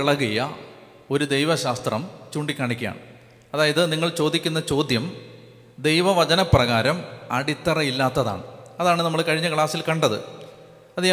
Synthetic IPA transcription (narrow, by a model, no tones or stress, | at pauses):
iɭɐɣijɐ | o̞ɾud̪e̞jʋɐɕaːst̪rɐmt͡ɕuːɳɖikʲːaːɳikʲːɐja̰ːɳɨ | ɐðaːjɐðɨniŋːɐɭt͡ɕo̞ːd̪ikʲːunːɐt͡ɕo̞ːd̪jɐm | d̪e̞jʋɐʋɐd͡ʑɐnɐprɐɣaːɾɐmɐ̰ɽit̪ːɐrɐjilːaːt̪ːɐða̰ːɳɨɐðaːɳɨnɐmːɐɭkɐɻiɲːɐkɭaːsilkɐɳɖɐðɨ̰ | ɐd̪i